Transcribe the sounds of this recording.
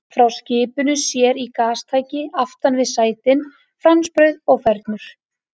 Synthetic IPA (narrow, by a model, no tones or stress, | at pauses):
fɾawscɪːpʏnʏsjɛɾikaːst̪ʰaːjcɪaft̪anvɪðsaːjt̪ɪn | fɾanspɾœɥðɔɣfɛɾt̪nʏɾ̥